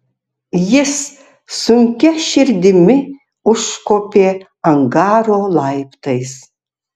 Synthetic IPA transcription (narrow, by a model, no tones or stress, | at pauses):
jɪs | sʊŋʲkʲɛʃɪɾʲd̪ʲɪmʲɪ | ʊʃːkoːpʲeː | ɐŋɡaːɾoːlˠɐjpt̪ʰɐjs